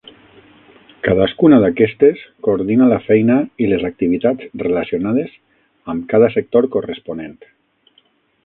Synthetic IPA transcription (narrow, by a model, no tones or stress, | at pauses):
kaðaskunaðakɛst̪eskoɾðinalafɛjnailezak̚t̪iβ̞it̪ad͡zrelasionað̞ez | əmkaðəsek̚t̪oɾkorespunent̪